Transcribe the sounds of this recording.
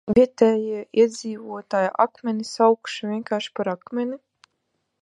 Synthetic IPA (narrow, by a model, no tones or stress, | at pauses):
vʲiɛt̪ɛːjiɛiɛd̪zʲiːvuɔt̪aːjaʔakmʲenisawkʃivʲiɛŋkaːɾʃi̥paɾakmʲeni